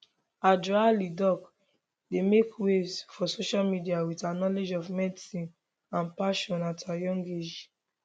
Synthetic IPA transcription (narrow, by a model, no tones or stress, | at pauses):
adɹalidɔk | demekwesfɔsoʃalmidiawitanɔled͡ʒɔvmɛdisĩn | ãnpaʃɔ̃natʰajɔ̃ŋɡed͡ʒ